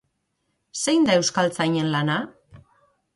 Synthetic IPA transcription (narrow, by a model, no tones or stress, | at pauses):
se̞jnd̪ae̞wskalt͡sajɲe̞nlana